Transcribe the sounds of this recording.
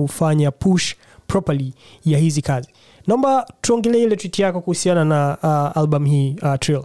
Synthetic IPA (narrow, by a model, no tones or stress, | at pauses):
ufaɲapʰuʃ | pɹɔpali | jahizikazi | naɔmbatuɔŋɡɛlɛilɛtwitjakɔkuhusiananaalbam̩hiːatɾil